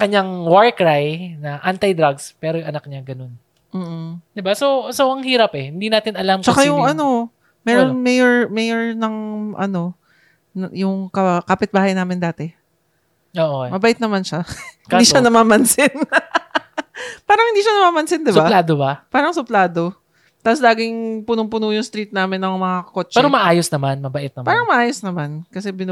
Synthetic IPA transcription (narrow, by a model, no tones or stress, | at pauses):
kɐɲaŋwaɹkɾajnɐʔant̪ɐjd̪ɾaɡspɛːɾojʊŋʔɐnak̚ɲaɡɐno̞n | m̩ːʔ̩d̪ɪbasosoʔɐŋɦiːɾɐpɛhɪnd̪inaːt̪ɪnɐlamt͡ʃɐkaajʊŋʔɐno̞ | mɛːɾonmɛjɛɹmɛjɛɹnɐŋʔɐ̰no̞ | njʊŋkɐkapɪt̪̚baːhɐjnaːmɪnd̪aːt̪ɛ | oːʔomɐbɐʔɪt̪̚nɐmanʃaɪkd̪iːʃanɐmaːmɐnsɪn | paːɾɐŋhɪnd̪iːʃɐnɐmaːmɐnsɪnd̪ɪbaad̪obapaːɾɐŋsʊplaːd̪o̞ | t̪aslaːɡɪŋpʊnʊŋpʊnujʊŋst̪ɾiːt̪̚naːmɪnːɐŋmɐŋakoːt͡ʃpɛːɾomɐʔaːjosnɐmanmɐbɐʔɪt̪̚nɐmpaːɾɐŋmɐʔaːjosnɐmankɐsɛbɪn